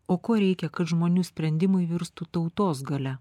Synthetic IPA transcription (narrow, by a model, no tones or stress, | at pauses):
oːkoːɾʲɛɪkʲɛkɐt̪ʒmoːnʲuːsʲpʲɾʲɛnʲd̪ʲɪmɐɪʋʲɪɾst̪ut̪ɐʊt̪oːsɡɐlʲɛ